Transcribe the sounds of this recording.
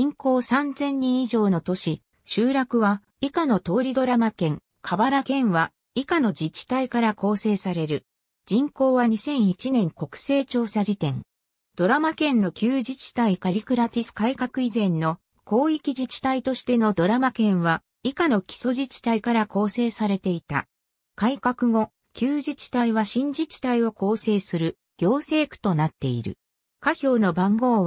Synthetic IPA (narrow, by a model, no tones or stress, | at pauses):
ĩŋko̞ːsãnzẽ̞ɲ̟ːĩɰ̃iʑo̞ːno̞t̪o̞ɕi | ɕɨːɾakɯ̟βa | ikano̞t̪o̞ːɾʲid̪o̞ɾamakẽ̞ŋ | kʰabaɾakẽ̞ɰ̃βa | ikano̞d͡ʑit͡ɕi̥t̪aikaɾako̞ːse̞ːsaɾe̞ɾɯ̟ | d͡ʑĩŋko̞ːβaɲ̟isẽ̞ɰ̃it͡ɕinẽ̞ŋko̞kɯ̟̥se̞ːt͡ɕo̞ːsaʑit̪ẽ̞ŋ | d̪̥o̞ɾamakẽ̞nːo̞kʲɨːʑit͡ɕi̥t̪aikaɾʲikɯ̟ɾat̪ʲisɨ̥kaikakɯ̟izẽ̞nːo̞ | ko̞ːikʲiʑit͡ɕi̥t̪ait̪o̞ɕi̥t̪e̞no̞d̪o̞ɾamakẽ̞ɰ̃βa | ikano̞kʲi̥so̞ʑit͡ɕi̥t̪aikaɾako̞ːse̞ːsaɾe̞t̪e̞it̪a̰ | kaikakɯ̟ŋo̞ | kʲɨːʑit͡ɕi̥t̪aiβaɕĩɲ̟d͡ʑit͡ɕi̥t̪aio̞ko̞ːse̞ːsɨɾɯ̟ | ɡ̥ʲo̞ːse̞ːkɯ̟̥t̪o̞nat̪ːe̞̰ḭɾɯ̟̰ | kaçʲo̞ːno̞bãŋɡo̞ːβ